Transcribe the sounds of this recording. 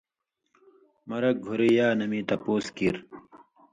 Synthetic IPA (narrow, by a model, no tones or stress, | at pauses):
mɐɾɐk̚ɡʱoɾejaːnɐmit̪ɐpoːskiɾ